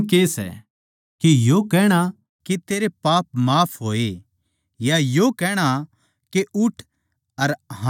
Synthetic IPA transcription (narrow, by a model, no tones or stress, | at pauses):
kesɛ̰ | kejokɛːɽ̃a | ket̪eːɾepaːp̚maːpʰɦoːe | jajokɛːɽ̃a | keʊʈʰ | ɐɾɦa